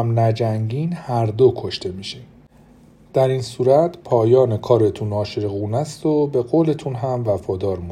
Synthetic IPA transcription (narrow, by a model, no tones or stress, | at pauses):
mnæd͡ʒæŋɟinhæɾd̪okʰo̞ʃt̪e̞miːʃin | d̪̥æɾinsuːɾæt̪ʰpʰɒːjɒːne̞kʰɒːɾet̪ʰunɒːʃeɣuːnæst̪o̞be̞ɣoːle̞t̪ʰunɦæmvæfɒːd̪ɒːɾmu